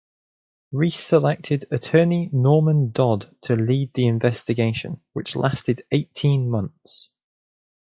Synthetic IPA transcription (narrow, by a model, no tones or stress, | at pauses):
ɹisəlɛk̚tʰɪdətʰɜːninɔːmə̃ndɒdtʰəliːd̪̚ðiɪ̃ɱvɛstɪɡeɪʃə̰̃nwɪt͡ʃlastɪdeɪtʰĩnmʌ̃nθs